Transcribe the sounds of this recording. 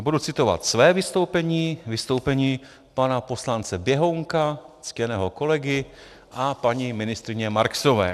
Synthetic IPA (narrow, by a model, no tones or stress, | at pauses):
budut͡sɪt̪o̞va̰t̪svɛːvɪst̪owpɛɲiːvɪst̪owpɛɲiː | panapo̞slant͡sɛbjɛɦowŋkat͡scɛnɛːɦo̞ko̞lɛɡɪ | ʔapaɲimɪnɪst̪ɾɪɲɛmaɾksovɛ̰ː